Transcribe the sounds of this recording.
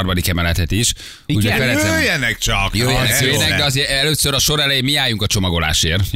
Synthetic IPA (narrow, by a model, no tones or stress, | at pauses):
rmɒd̪ikɛmɛlɛt̪ɛt̪iʃ | uɟɛfɛɾɛzøjɛnɛk̚t͡ʃɒkjøːjɛnɛnɛkøjɛnɛɡd̪ɛɒzeːɛløːsøɾɒʃo̞ɾɛlɛjeːmiaːjuŋkɒt͡ʃo̞mɒɡo̞la̰ːʃeːr